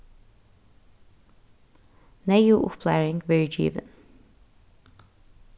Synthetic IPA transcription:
nɛjuːʔʊpʰlæɪɹɪŋɡʋɪɹd͡ʒḭːʋə̰n

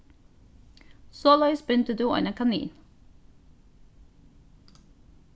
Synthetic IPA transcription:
soːlœɪsbʏnt̪əd̪ʉːʔɔ̰nəkʰɑnḭːn

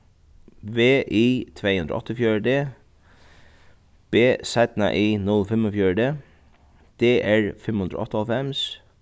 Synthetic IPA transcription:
ʋeːʔiːt̪ʰʋeɪhʉnd̪ɾɔ̰ɔ̰t̪əfjœːɖeː | b̥eːsæɪt̪nɑ̰ʔiːnʉlfɛmɔfjøːɹɖeː | d̪̥eːʔæːɹfɛmʉnd̪ɾɔ̰ɔ̰t̪əɑlfɛms

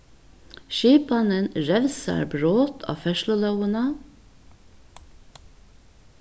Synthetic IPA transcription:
ʃiːpɑnənɹɛʋsɑ̰ɾbɹoːt̪ʰɑ̰ːfɛʃlʊlɑʊənɑ

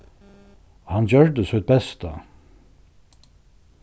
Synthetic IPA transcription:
hɑnd͡ʒœɹd̪əsœd̪̚bɛst̪a̰

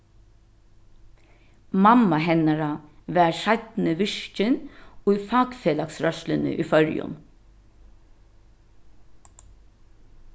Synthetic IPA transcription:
mɑmɑhɛnɑɾɑʋæːɾʃɑlt̪n̩əʋʏʃcənoːfɑːɡfeːlɑksɾœʃlənə̰ʔḭːfœɾj̰ʊ̰m

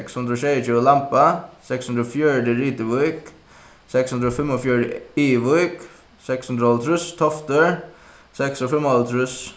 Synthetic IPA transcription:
ɛkshʉnd̪ɾɔːʃeɪət͡ʃʉːəlampɑsɛkshʉnd̪ɾɔfjœːɖəɾiːt̪əʋɔʏk | sɛkshʉnd̪ɾəoːfɛmɔfjuːɖəiːʋɔʏk | sɛkshʉnd̪ɾəɔlt̪ʰɾʉst̪ʰɔft̪əɹ | sɛksɔfɛmɔlt̪ʰɾʉs

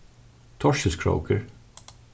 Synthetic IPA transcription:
t̪ʰɔɹʃɪlskʰɹo̰ʊkʰəɹ

